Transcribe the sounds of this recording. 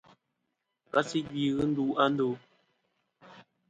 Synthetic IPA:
ka˦si˦ɡi˦˨ɣɨ˦n̩˦du˦a˦n˦do˦

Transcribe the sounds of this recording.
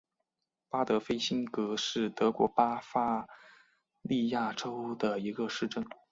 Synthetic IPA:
pa˥t̪ɤ˧˥fe˥ɪɕi˥nkɤ˧˥ʂɻ̩˥˩t̪ɤ˧˥kwɔ̰˧˥pa˥fa˥ | li˥˧ja˥˩ʈ͡ʂo˥ʊd̪ə˨i˧˥ɡə˧ʂɻ̩˥˧ʈ͡ʂɤ˥˩ŋ

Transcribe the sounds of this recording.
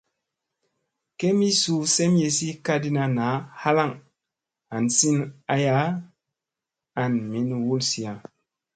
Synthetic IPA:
ke˦mi˦su˨˦sɛ˦m˦je˨si˦ka˦di˦na˨na˨˦ha˦la˦˨ŋ | a˨n˨si˦na˦ja˨˦ | a˨nmi˦ni˨wu˦lsi˨a˨

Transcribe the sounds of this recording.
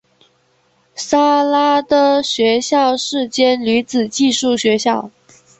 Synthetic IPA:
sa˥la˥t̪ɤ˥ɕɥɛ˧˥ɕjɑ˥˧ʊʂɻ̩˥˩t͡ɕjɛ˥nly˧˥t͡sɹ̩˨˩t͡ɕi˥˧ʂu˥˩ɕɥɛ˧˥ɕjɑ˥˩ʊ

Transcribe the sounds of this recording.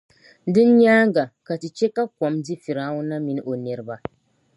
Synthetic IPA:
dɨ˦n˦ɲaː˦ŋ˦ɡa˨ka˨ti˨t͡ʃɛ˦ka˦kɔ˨mdi˦fi˨ɾaː˦ŋʊ˦na˦mi˨n˦ʔo˨nɛ˨ɾɨ˦ba˨

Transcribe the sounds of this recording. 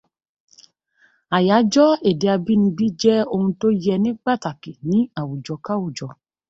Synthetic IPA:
a˨ja˨˦d͡ʒɔ˦e˨de˨a˧bi˦nĩ˧ɡ͡bi˦d͡ʒɛ˦o˧hũ˧to˦jɛ˧nĩ˦ɡ͡ba˦˨ta˨ke˨nĩ˨˦a˨wu˨d͡ʒɔ˨ka˦wu˦˨d͡ʒɔ˨

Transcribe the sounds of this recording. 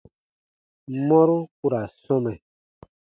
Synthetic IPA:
mɔ̃˦ɾu˦ku˦ɾa˨sɔ̃˦mɛ˨

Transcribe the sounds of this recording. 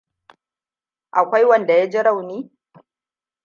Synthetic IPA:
ʔa˨kʷa˦jwɐ˦˨nda˨ja˦d͡ʒe˦ɽa˦˨wniː˦

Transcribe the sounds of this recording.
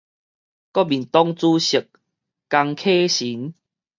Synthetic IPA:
kɔ˦bi˨˩nt̪ɔ˦ŋt͡su˦ɕə˨˩k̚ː | a˧ŋkʰe˦ɕi˨˦n

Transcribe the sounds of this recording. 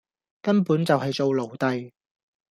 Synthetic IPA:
kɐ˥npuː˨˥nt͡sɐ˨whɐ˨jt͡so˨wlo˨˩wt̪ɐ˨j

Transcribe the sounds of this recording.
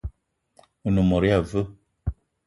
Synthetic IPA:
u˨nu˨mɔ˨ɾi˦a˨və˦

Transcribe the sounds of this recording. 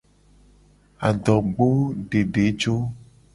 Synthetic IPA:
a˨ɖɔ˨ɡ͡bo˦ɖe˨ɖe˨˦d͡ʒo˦

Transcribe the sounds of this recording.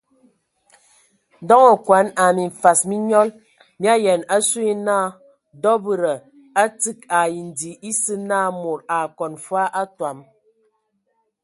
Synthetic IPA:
dɔ˦ŋɔ˨kwa˨˦na˨mi˨ɱ̩˨fa˨smi˦ɲɔ˦l | mja˦jɛ˨na˦su˦i˦naː˦˨ | dɔ˦bɨ˨ɾə˨ | a˦tɨ˦˨ka˨ji˨n̩˨di˨i˦sɨ˦naː˦˨mo˨ɾa˨kɔ˨nfwa˦ʔa˦twa˨m

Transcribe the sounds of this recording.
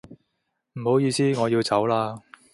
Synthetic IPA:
m̩˨˩ho˨˥wjiː˧siː˥ŋɔː˨˧jiː˧wt͡sɐ˨˥wlaː˧

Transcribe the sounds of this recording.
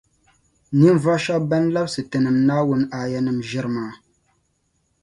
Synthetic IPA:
ni˦n˦va˦ʃɔ˦bɛ˦nla˦bsɨ˨tɨ˨nɨ˨mnaː˦wʊ˦n˦aː˨jɛ˦nɨ˨mʒɪ˦ɾɨ˦maː˨˦

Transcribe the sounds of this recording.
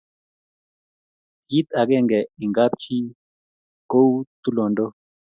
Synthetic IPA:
ki˦t̪a˨ɡe˦˨ŋɡɛ˨i˨ŋɡa˦p̚t͡ʃi˦ | ko˦wt̪u˦lo˨ndo˦

